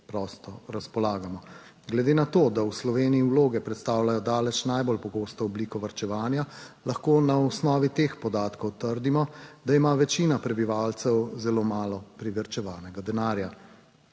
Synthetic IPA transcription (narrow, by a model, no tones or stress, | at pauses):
pɾɔst̪ɔɾaspɔlaːɡamɔ | ɡlɛd̪eːnat̪oːd̪awslɔʋeːniiwloːɡɛpɾɛt̪st̪aːwlajɔd̪aːlɛt͡ʃnajbolpɔɡoːst̪ɔɔbliːkɔʋaɾt͡ʃɛʋaːnjalɐxkoːnaɔsnɔːʋit̪expɔd̪aːt̪kɔwt̪əɾd̪imɔd̪aimaʋɛt͡ʃiːnapɾɛbiʋaːlt̪sɛwzɛloːmaːlɔpɾiʋɛɾt͡ʃɛʋaːnɛɡad̪ɛnaːɾja